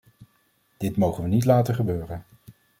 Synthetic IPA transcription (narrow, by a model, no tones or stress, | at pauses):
d̥ɪtmowχənʋənitlaːtəχəbøːrən